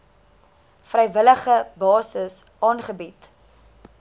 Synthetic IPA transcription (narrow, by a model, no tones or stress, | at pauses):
frɛjvələχəbɑːsəsʔɑːnχəbit